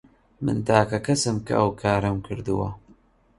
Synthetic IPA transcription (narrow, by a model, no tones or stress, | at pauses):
mɨ̰nt̪aːkɐkʰɐsɨmkɐ̰ʔɐwkʰaːɾɐmkʰɨɾd̪ɨwɐ